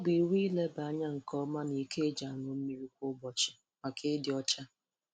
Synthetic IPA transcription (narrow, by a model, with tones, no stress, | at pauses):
ɔ˦bi˨wi˦le˦ba˨˦ɲa˦ŋ̩˨kɔ˦ma˦ni˨ke˦d͡ʒa˨nʊ˦me˦ɾi˦kʷʊ˦bɔ˨t͡ʃɪ̥˨ | ma˨kʰe˦dɪ˨ɔ˦t͡ʃa˦